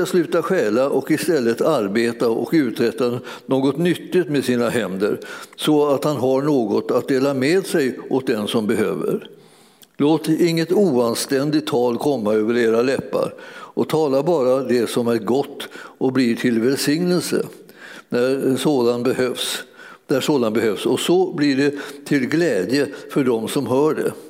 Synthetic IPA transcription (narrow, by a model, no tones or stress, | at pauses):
aslʉ̟ːt̪aɧɛːlaʔɔkɪst̪ɛlːət̪aɾbeːt̪aɔ̰kʉ̟ːt̪ɾɛt̪ːa | noːɡɔt̪nʏt̪ːɪt̪mɛsiːnaɦɛnd̪ə̰ɾsɔat̪hanɦaɳoːɡɔt̪at̪̚d̪eːlameːd̪sɛjʔɔt̪̚d̪ɛnsɔmbɛɦø̰ːvə̰ɾ | loːt̪ɪŋːət̪uːanst̪ɛnd̪ɪt̪ʰːɑːlkʰɔmːaøːvəɾeːɾalɛpːa̰ɾʔɔt̪ʰɑːlabɑːɾad̪ɛsɔmæɾɡɔt̪ːɔbliːʈʰɪlvɛlsɪŋnəlsə̰næɾʂoːd̪anbɛhøfsd̪æʂoːd̪anbɛhøfsɔsɔbliɖɛt̪ʰɪlɡlɛːd̪jəfœɖɔmsɔmɦœːɖɛ̰